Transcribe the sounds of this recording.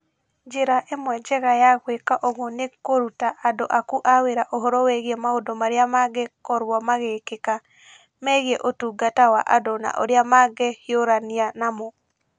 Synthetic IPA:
d͡ʒeɾaʔemwɛd͡ʒɛɣajaɣwekaʔɔɣonekoɾutaʔadoʔakuʔaweɾaʔoɦɔɾɔwɛɣiɛmaodɔmaɾeamaɡɛkɔɾwɔmaɣekeka | mɛɣiɛʔotuːɡatawaʔa̰dona̰ʔo̰ɾeamaɡɛhjoɾanianamo

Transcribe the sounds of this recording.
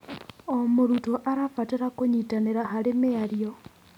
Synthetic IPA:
omoɾutoʔaɾafateɾakoɲitaneɾaɦaɾemeaɾjo

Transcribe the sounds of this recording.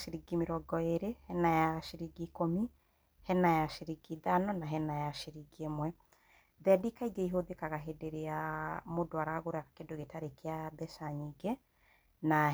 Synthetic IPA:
ʃiɾiɡimeɾɔɡɔeɾehɛnajaʃiɾiɡikomi | hɛnajaʃiɾiɡiðanɔnaɦɛnajaʃiɾiɡiemwɛ | ðɛdikaiɡeiɦoðekaɣaɦedeɾeamodoaɾaɣoɾɛakakedoɣetaɾekeaðɛʃaɲiɡɛ | na

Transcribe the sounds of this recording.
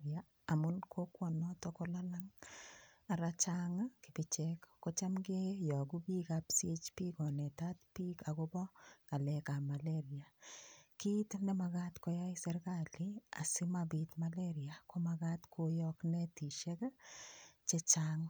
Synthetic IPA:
ia | amunkʰokwɔnɔtɔkolalaŋ | aɾat͡ʃaŋakɪbit͡ʃɛkːot͡ʃamɡejɔkupikapsiet͡ʃpikɔnɛtatpikakobɔkalɛkamaleɾiakitnemakatkojajsɛɾkalia̰sɪmabitmaleɾiakomakatkʰojɔknɛtiʃɛka | t͡ʃet͡ʃaŋ

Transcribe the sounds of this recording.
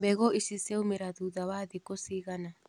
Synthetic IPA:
bɛɣɔʔisiseumeɾaðuðawaðikosiɣana

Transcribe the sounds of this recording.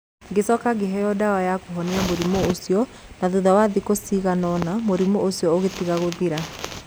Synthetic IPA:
ɡesɔkaɡeɦɛjɔdawajakoɦɔneamoɾimoosiɔ | naðuðawaðikosiɣanɔnamoɾimoosiɔoɣetiɣaɣoðiɾa

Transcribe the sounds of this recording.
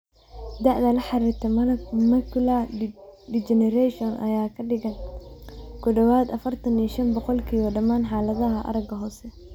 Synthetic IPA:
d̪ɐʕd̪ɐlɐħɑɾɪrt̪ʰɛmɐkʊla | ɖit͡ʃɛnɛɾɛʃɔnʔɐ̰jaːkʰɐɖɪɣɐn | kʰʊɖɔwaːd̪ɐfɐrt̪ʰɐniːʃɐnbɔqɔlkʰiːβɐɖɐmaːnħaːlɐðɐɦɐʔɐ̰ɾɐɡɐɦɔːsɛ

